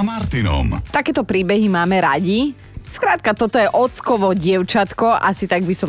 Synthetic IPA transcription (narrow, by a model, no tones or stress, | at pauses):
maɾt̪inɔ̰mt̪akɛːt̪ɔpɾiːbɛɦimaːmɛɾaɟi | skɾaːt̪̚kat̪ɔt̪ɔjɛʔɔt͡skɔʋɔɟɪɛʊt͡ʃat̪kɔʔasit̪aɡ̚bisɔ